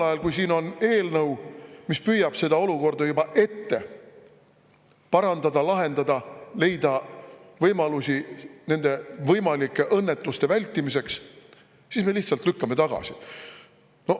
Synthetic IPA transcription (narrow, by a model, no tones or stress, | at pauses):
ɑjɑlkujsiːno̞ne̞ːlnɤwmispyjːɑb̥se̞d̪̥ɑo̞luko̞rd̪ɑjubɑʔe̞t̪ːe̞ | pɑɾɑnd̪ɑd̪ɑlɑɦe̞nd̪ɑd̪̥ɑle̞jd̪ɑvɤjmɑlusʲine̞nd̪̥e̞vɤjmɑlikːˑe̞ʔɤnːe̞t̪ːˑust̪e̞vælʲt̪ːˑimise̞ks | sisme̞liht̪sɑlt̪lykːɑme̞t̪ɑɡ̥ɑ̰si | no̞